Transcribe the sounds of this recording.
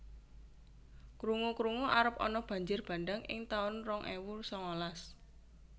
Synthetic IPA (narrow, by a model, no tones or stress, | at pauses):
kɾuŋukɾuŋuʔaɾəp̚ɔ̰nɔb̥a̤ɲd͡ʒʊrb̥a̤nɖaŋɪ̰ŋt̪aʊnrɔŋʔɛwursɔŋɔlas